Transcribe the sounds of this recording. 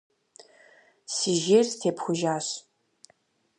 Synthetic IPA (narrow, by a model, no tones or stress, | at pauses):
siʒeːrstʰeːpʰxʷʊʒaːɕ